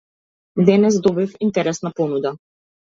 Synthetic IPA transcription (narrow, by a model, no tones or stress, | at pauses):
d̪ɛnɛsd̪ɔbifint̪ɛɾɛsnapɔnud̪a